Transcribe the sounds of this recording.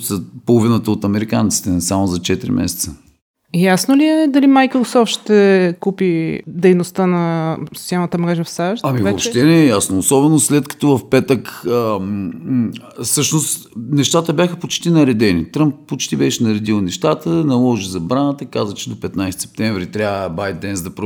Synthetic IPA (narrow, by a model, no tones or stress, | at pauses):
zɐpolˠovinət̪əot̪ɐmɛɾikant̪si̥t̪ɛsamozɐt͡ʃɛt̪iɾḭmʔɛ̰sɛ̥t̪sə | jasnoliɛd̪ɐlimajkɾosɔft̪ʃt̪ɛkupid̪ɛjnost̪ənɐso̥t̪ialˠnət̪əmɾɛʒəfsaʃt̪ɐmivɛopʃt̪ɛnɛːjasnoosɔbɛnoslɛt̪kɐ̥t̪ɔvɐfpɛt̪əkə | sɤʃnost̪nɛʃt̪at̪əbʲjaxəpot͡ʃt̪inɐɾɛd̪ɛnḭt̪ɾəmp̚ːot͡ʃt̪ibɛʃɛnɐɾɛd̪ilˠnɛʃt̪at̪ənɐlˠɔʒizɐbɾanət̪əkazvət͡ʃɛd̪opɛt̪najst̪sɛ̥p̚t̪ɛ̃ɱvɾit̪ɾʲjaəbajd̪̚d̪ɛnzd̪ɐpɾo